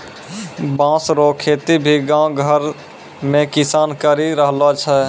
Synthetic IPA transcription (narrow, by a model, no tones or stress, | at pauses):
bãːsɾokʰet̪ibʱiɡãɡʱəɾ | mẽkisaːnkəɾiɾəɦlat͡ʃʰɛ